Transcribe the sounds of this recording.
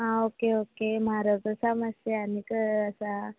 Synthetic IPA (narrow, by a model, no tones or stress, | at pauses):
ɦãokeokemaɾəkəsamaseanikəəsa